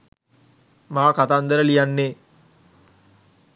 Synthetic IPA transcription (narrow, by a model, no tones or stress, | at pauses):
maːkat̪and̪əɾəlijanːe